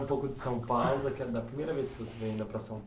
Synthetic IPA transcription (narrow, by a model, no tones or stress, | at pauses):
ũpowkʊd̪ɪ̥sɐ̃w̃pawwlʊd̪ɐkɛd̪ɐpɾimejɾɐveskɪvoseveɐĩnd̪ɐpɾɐsɐ̃w̃